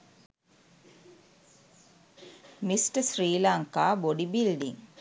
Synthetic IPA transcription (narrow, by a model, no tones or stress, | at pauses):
misʈəsriːlaŋkaːboɖibilɖiŋ